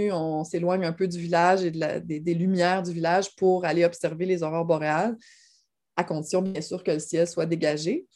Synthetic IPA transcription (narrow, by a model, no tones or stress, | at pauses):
ɔ̃selwaɲœ̃ːpød̪yvilaʒed̪əla̰d̪ed̪elymjɛːʁd̪yvilaʒpuʁaleɔpsɛʁvelezɔʁœːʁbɔʁeal | akɔ̃d̪i̥sjɔ̃bjɛ̃syːʁkələsjɛlswad̪eɡaʒe